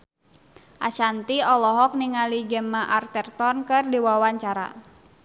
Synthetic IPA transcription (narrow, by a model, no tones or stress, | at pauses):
ʔa̰t͡ʃant̪iɔlɔɦɔk̚niŋaliɡɛmaʔart̪ɛrt̪ɔnkɨrdiwawaɲt͡ʃaɾa̰